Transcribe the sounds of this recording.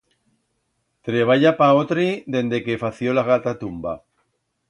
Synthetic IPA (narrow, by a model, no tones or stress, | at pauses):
t̪ɾeβ̞aʎapaot̪ɾid̪e̞nd̪e̞kefaθjolaɣat̪at̪umba̰